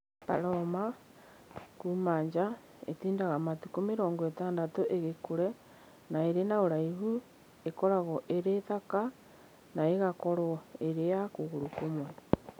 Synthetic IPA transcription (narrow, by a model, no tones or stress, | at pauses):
paɾɔma | kuːmaːɲd͡ʒa | ḛtiːndaɣamatukomeɾɔːŋɡɔetaːndatoʔeɣekoɾɛ | naeɾenaoɾaiɦu | ekɔɾaɣɔʔeɾetaka | naeɣakɔɾɔeɾejakoɣoɾokomwa